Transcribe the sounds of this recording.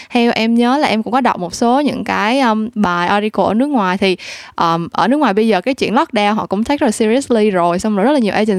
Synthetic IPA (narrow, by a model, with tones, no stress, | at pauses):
hɛ˧wʔɛ˧mɲəː˨˦laː˨˩ʔɛ˧mkʊ̰˧˥ŋ͡mkɔ˨˦ɗa˨˩k͡p̚mo˨˩t̚so˨˦ɲɨ̰˧˥ŋkaː˨˦jʔəː˧mɓaː˨˩jʔɔ˧ɾi˧ko˧˩ʔəː˧˩nɨ˦˥ək̚ŋwaː˨˩jt̪ʰi˨˩ʔəː˨˩mʔəː˧˩nɨ˦˥əkŋwaː˨˩ɓə˧jzəː˨˩kaː˨˦jt͡ɕwḭ˧˨ənlɔ˦˥k̚ɗaː˧wɦɔ̰˧˨kʊ̰˧˥ŋ͡mt̪ʰa˦˥k̚ə˦˨a˨˩si˧ɾi˧˦˥sli˧zo˨˩jsɔ˧wŋ͡mzə˦˥t̚laː˨ɲi˨˩ə˩ʔɛ˧t͡ɕï˨˩